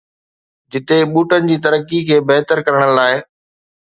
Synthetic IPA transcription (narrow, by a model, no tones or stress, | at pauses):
d͡ʑɪt̪eɓuːʈənɪ̆d͡ʑiːt̪ɐɾəkːikʰeːbɐɦt̪əɾkɐɾəɽ̃əlaːɪ